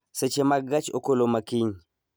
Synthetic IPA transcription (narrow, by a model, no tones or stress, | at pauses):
set͡ʃemaɡat͡ʃokolomakiɲ